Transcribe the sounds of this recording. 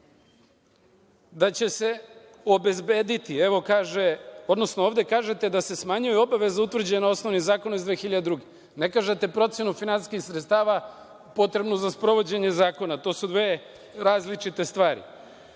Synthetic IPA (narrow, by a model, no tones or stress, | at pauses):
d̪at͡ɕe̞se̞ | o̞be̞zbeːd̪it̪ieʋo̞kaːʒeod̪nosnooːʋd̪e̞kaːʒe̞t̪e̞d̪ase̞smaɲujɛo̞baʋe̞zaut̪vr̩d͡ʑenao̞snoʋnizaːko̞noizd̪exiʎad̪ed̪ɾuɡe | ne̞kaːʒet̪epɾo̞t̪sʲje̞nufinansi̥skixsɾet̪st̪aːʋa | po̞t̪ɾe̞bnozaspɾo̞ʋo̞d͡ʑe̞ɲe̞zaːko̞nat̪o̞ːsud̪ʋeː | ɾaːzlit͡ʃit̪e̞st̪ʋaːɾḭ